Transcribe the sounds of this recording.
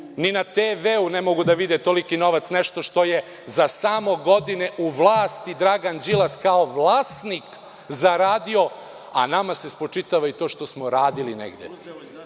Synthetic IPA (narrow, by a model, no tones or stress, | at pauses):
ninat̪eːʋeunemo̞ɡud̪aʋid̪et̪olikinoʋat̪sneʃt̪o̞ʃt̪o̞je | zasamo̞ɡo̞d̪ineʔuʋlˠaːst̪id̪ɾaɡand͡ʒilˠaskaoʋlˠaːsnik | zaɾaːd̪io̞ | a̰namase̞spot͡ʂit̪aʋait̪o̞ːʃt̪o̞smoɾaːd̪ilinḛɡd̪ḛ